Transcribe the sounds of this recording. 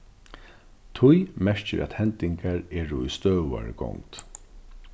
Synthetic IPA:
t̪ʰʊjmɛɹ̥t͡ʃɪɾʔæ̰t̪hɛnt̪ɪŋkaɹɛːɹʊist̪œːva̰ɹɡɔ̰ŋt̪

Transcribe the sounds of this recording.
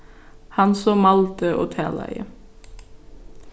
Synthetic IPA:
hɑnsoːmɑlt̪əʔo̰ːt̪ʰæ̰ːlæ̰ɪə̰

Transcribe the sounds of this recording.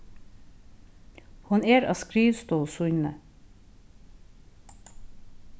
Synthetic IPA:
hʊneːɾɑ̰ːskɾiːʋst̪oːlsʊʏnə

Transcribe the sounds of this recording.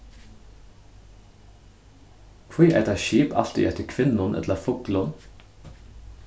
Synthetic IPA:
kʰʋiːʔæ̰t̪əʃiːpɑft̪ɪ̰ʔɛt̪əkʰʋɪnʊnʔɛ̰t̪ləfʊkl̩ʊn

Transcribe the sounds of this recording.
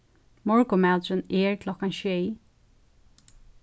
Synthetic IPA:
mɔɹkʊmad̪ɹəneːɹkʰlɔkanʃej

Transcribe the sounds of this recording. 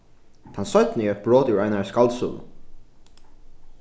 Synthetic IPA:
t̪ʰansœt̪niɛt̪̚bɹoːt̪ʉɹajnaskalt̪sṵːl̰

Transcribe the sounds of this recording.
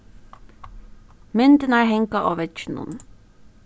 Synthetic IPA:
mʏnt̪ənæːɹhɛŋkɑʔoːʋɛt͡ʃnʊ̰n

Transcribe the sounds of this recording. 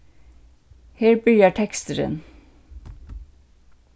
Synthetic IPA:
heːɾbyːəʈʰɛkst̪əɾə̰n

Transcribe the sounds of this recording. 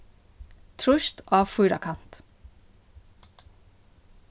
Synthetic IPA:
t̪ʰɾʊʃt̪ʔɑːfʉːɾɑ̰kʰɑnt̪

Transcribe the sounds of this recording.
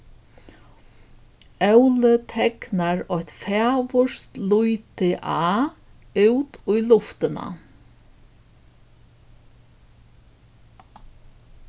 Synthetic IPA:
œwlət̪ʰɛknaɹɔht̪fæːʋʊʃt̪lujt̪ɪʔaː | ʉwt̪ʊjlʊft̪ɪna̰

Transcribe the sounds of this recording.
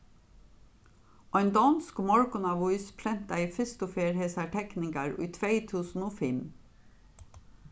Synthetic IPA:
ɔɪnd̪ɑnskmɔɹkʊnɑʋʊʏspʰɾɛnt̪ɑiːfɪst̪ʊfeːɾheːsæʈʰɛknɪɡɑɹḭːt̪ʰʋeɪt̪ʰʉːsn̩oːfɪm

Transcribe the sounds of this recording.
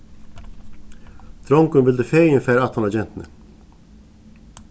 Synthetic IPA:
d̪̥ɾɔŋkʉnʋɪld̪əfeːɪnfæːɾɑt̪hɑnɑd͡ʒɛnt̪n̩ə

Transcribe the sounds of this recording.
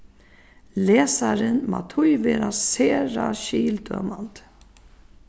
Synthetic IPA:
lɛːsaɾɪnma̰t̪ʰʊjvɛːɾaseːɾaʃiːld̪œ̰ːmant̪

